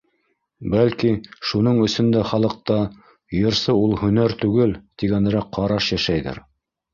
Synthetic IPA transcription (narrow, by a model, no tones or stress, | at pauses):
bælkiʃunɤɴɵ̆sɵnd̪æχɑlˠɤ̆q̚t̪ɑ | jɤ̆ɾsɤulˠhɵ̆næɾt̪ʉɡɘlt̪iɡænɘ̆ɾæqʰːɑɾɑʃjæʃæjðɘ̰ɾ